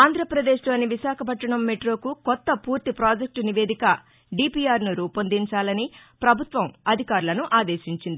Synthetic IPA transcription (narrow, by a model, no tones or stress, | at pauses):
aːnd̪ʱɾɐpɾɐd̪e̞ːʂloːniʋiʃaːkʰɐpɐʈːɐɳɐmːeʈɾo̞ːkukɔt̪ːɐpuːɾt̪ipɾaːd͡ʒek̚ʈniʋe̞ːd̪ikɐ | ɖiːpiaːɾnuɾuːpɐnd̪iɲt͡ʃaːlɐnipɾɐbʱut̪ʋɐmɐd̪ʱikaːɾulɐnuʔaːd̪e̞ːʃiɲt͡ʃind̪i